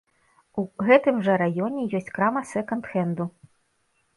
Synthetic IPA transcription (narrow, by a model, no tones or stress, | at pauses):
uɣɛt̪ɨmʐɐɾajɔnʲɛjɔsʲt͡sʲkɾamɐsɛkɐnt̪xɛnd̪u